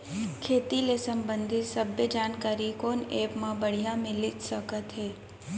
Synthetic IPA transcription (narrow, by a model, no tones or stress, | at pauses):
kʰeːt̪ilesəmbənd̪ʱisəbʱjəd͡ʒankaɾikonepmãbəɽ̤ijãmɪlit̪səkət̪ɦe